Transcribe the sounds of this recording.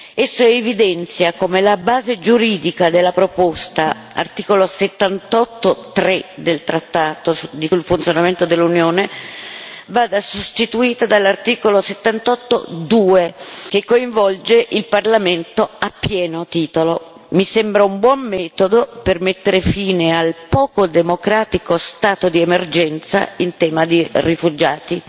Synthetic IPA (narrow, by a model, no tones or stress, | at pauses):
esːoevid̪ɛnt̪sjakomelabaːzed͡ʒuɾiːd̪ikad̪elːapɾopost̪a | a̰rt̪iːkoloset̪ːant̪ɔt̪ːot̪ɾed̪elt̪ɾat̪ːaːt̪od̪isulfunt̪sjonament̪od̪elːunjoːne | vaːd̪asost̪it̪uiːt̪ad̪alːart̪iːkoloset̪ːant̪ɔt̪ːo̰d̪uːek̟ekːoiɱvɔld͡ʒeʔilparlament̪oapːjɛːnot̪iːt̪olo | misembɾaumbwɔmːɛːt̪od̪opermet̪ːeɾefiːnealpɔːkod̪emokɾaːt̪ikost̪aːt̪od̪iemerd͡ʒɛnt̪sa̰int̪ɛːmad̪irifud͡ʒaːt̪i